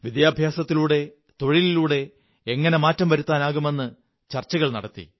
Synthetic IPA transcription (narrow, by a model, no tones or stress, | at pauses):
ʋid̪jaːbʱjaːsɐt̪ːiluːɽe̞ | t̪o̞ɻililuːɽe̞ː | ŋːɐne̞maːtːɐmʋɐɾut̪ːaːnaːɣume̞nːɨ | t͡ɕɐrt͡ɕːɐɣɐɭnɐɽɐt̪ːḭ